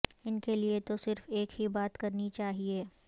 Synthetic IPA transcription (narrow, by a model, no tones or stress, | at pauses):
ɪnkeliet̪osɪɾfeːkɦibaːt̪kɐɾnit͡ʃaːɦieː